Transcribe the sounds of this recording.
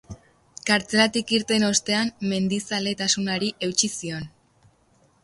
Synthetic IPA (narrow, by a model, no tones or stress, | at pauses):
kaɾt͡se̞lat̪ikiɾt̪e̞no̞st̪e̞amme̞nd̪isale̞t̪asunaɾiʔe̞wt͡ʃisio̞n